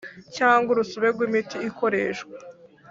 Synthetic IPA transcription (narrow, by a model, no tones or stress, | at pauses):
caːŋɡuɾusuβe̞ɾɡwimitiːko̞ɾe̞ːʃɡwa